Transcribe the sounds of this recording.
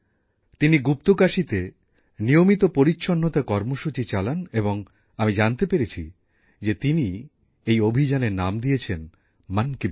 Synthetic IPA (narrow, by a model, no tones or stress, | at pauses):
t̪iniɡup̚t̪okaʃit̪e | nijomit̪opoɾitːɕʰonːot̪akɔɾmoʃut͡ɕit͡ɕalaneboŋ | amid͡ʑant̪epeɾet͡ɕʰi | d͡ʑet̪ini | ejobʱid͡ʑaneɾnamd̪ijet͡ɕʰen | manki